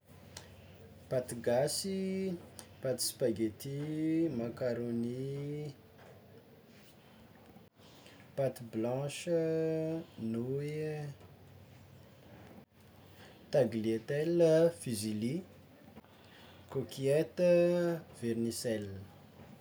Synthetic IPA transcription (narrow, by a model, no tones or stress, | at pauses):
pat̪iɡasi | pat̪i̥spaɡet̪imakaɾoni | pat̪iblɑ̃ʃə | nu | t̪aɡliet̪ɛləfizili | kokiet̪əv̥ernisɛl